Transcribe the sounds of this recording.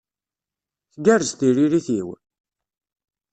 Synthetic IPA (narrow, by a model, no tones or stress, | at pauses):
θɡæɾəzt̪iɾiɾiθiw